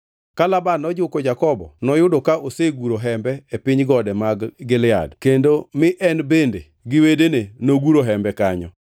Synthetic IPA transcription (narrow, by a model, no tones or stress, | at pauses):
kalabanɔd͡ʒʊkɔd͡ʒakɔbɔ̰nɔjʊdɔkaʔoseɡuɾoɦɛmbɛepɪɲɡɔdɛmaɡɡɪlɪa̰dkendomɪʔɛnbende | ɡɪwedenenoɡuɾoɦɛmbɛkaɲɔ